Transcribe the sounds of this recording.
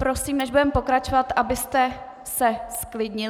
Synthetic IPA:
pɾo̞siːmnɛʒbudɛmpo̞kɾat͡ʃo̞vat̪ʔabɪst̪ɛ | sɛsklɪdɲɪ

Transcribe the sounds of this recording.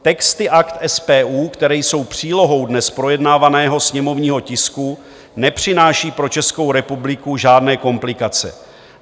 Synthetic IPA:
t̪ɛkst̪ɪʔakt̪ʔɛspɛːʔuːkt̪ɛɾɛjso̞wpr̝̥iːlo̞ɦo̞wdnɛspɾo̞jɛdnaːvanɛːɦo̞sɲɛmo̞vɲiːɦo̞cɪsku | nɛpr̝̥ɪnaːʃiːpɾo̞t͡ʃɛsko̞wɾɛpublɪkuʒaːdnɛːko̞mplɪkat͡sɛ̰

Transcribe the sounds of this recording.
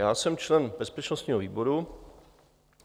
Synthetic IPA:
jaːsɛmt͡ʃlɛnbɛspɛt͡ʃnost̪ɲiːɦoviːbo̞ɾu

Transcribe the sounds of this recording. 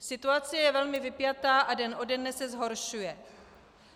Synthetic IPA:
sɪt̪uat͡sɪjɛvɛlmɪvɪpjat̪aːʔadɛnʔo̞dɛdnɛsɛzɦo̞ɾʃujɛ

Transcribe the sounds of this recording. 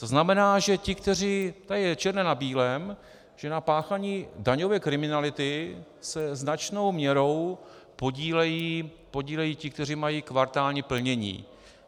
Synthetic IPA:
t̪o̞znamɛnaːʒɛcɪkt̪ɛr̝iːt̪ajɛt͡ʃɛɾnɛnabiːlɛm | ʒ̥ɛnapaːxaɲiːdaɲo̞vɛːkɾɪmɪnalɪt̪ɪ | sɛznat͡ʃno̞wmɲɛɾo̞w | poɟiːlɛjiː | po̞ɟiːlɛjiːcɪk̚t̪ɛr̝imajiːkvaɾt̪aːlɲɛpl̩ɲɛɲḭː

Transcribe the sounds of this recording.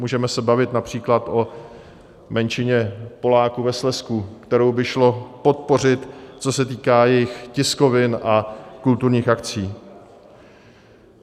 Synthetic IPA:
muːʒɛmɛsɛbavɪt̪napr̝̥iːklat̪ʔo̞ | mɛnt͡ʃɪɲɛpo̞laːkuvɛslɛskuːkt̪ɛɾo̞wbɪʃlo̞po̞t̪̚po̞rɪt̪t͡so̞sɛt̪iːkaːjɛjɪxcɪsko̞vɪnʔakult̪uɾɲiːxʔakt͡siː

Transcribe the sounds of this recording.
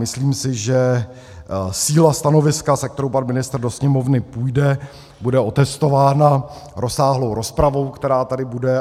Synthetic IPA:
mɪsliːmsɪʒɛ | siːlast̪ano̞vɪskasɛk̚t̪ɛɾo̞wpanmɪnɪst̪r̩do̞sɲɛmo̞vnɪpujdɛ | budɛʔo̞t̪ɛst̪o̞vaːna | ɾo̞saːɦlo̞wɾo̞spɾavo̞wkt̪ɛɾaːt̪adɪbudɛ

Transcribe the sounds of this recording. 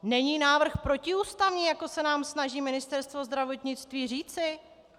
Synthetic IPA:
nɛɲiːnaːvr̩xpɾo̞cɪuːst̪avɲiːjako̞sɛnaːmsnaʒiːmɪnɪst̪ɛɾst̪vo̞zd̪ɾavo̞t̪ɲɪt͡st̪viːr̝iːt͡sɪ

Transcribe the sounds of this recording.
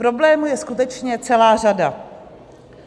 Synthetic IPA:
pɾo̞blɛːmujɛskut̪ɛt͡ʃɲɛt͡sɛlaːr̝ada

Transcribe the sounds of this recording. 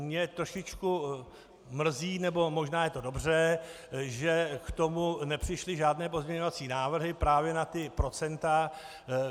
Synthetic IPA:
mɲɛt̪ɾo̞ʃɪt͡ʃku | mr̩ziːnɛbo̞mo̞ʒnaːjɛt̪o̞do̞br̝ɛ | ʒɛkt̪o̞munɛpr̝̥ɪʃlɪʒaːdnɛːp̬o̞zmɲɛɲo̞vat͡siːnaːvr̩ɦɪpɾaːvjɛnat̪ɪpɾo̞t͡sɛnt̪a

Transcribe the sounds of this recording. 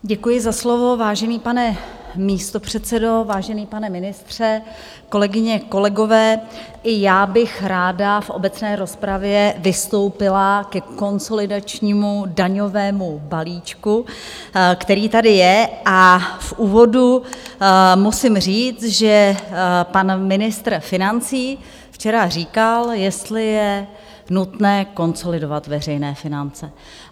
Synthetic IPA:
ɟɛkujɪzaslo̞vo̞vaːʒɛniːpanɛmiːst̪o̞pr̝̥ɛt̪t͡sɛdo̞vaːʒɛniːpanɛmɪnɪst̪r̝̥ɛ | ko̞lɛɡɪɲɛko̞lɛɡo̞vɛː | ʔɪjaːbɪxɾaːdafʔo̞̰bɛt͡snɛːɾo̞spɾavjɛvɪst̪o̞wpɪlakɛko̞nso̞lɪdat͡ʃɲiːmudaɲo̞vɛːmubaliːt͡ʃku | kt̪ɛɾiːt̪adɪjɛʔafʔuːvo̞du | musɪmr̝iːt͡s̪ʒɛ | panmɪnɪst̪r̩fɪnant͡siː | ft͡ʃɛɾariːkaljɛst̪lɪjɛ | nut̪nɛːko̞nso̞lɪdo̞vat̪vɛr̝ɛjnɛːfɪnant͡sɛ

